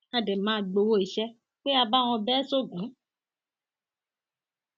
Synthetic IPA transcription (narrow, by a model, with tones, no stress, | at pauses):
a˧de˨mãː˦˨ɡ͡bo˧wo˦˨i˨ʃɛ˦ | k͡pe˦a˧ba˦w̃ɔ̃˧bɛː˦so˦ɡũ˨˦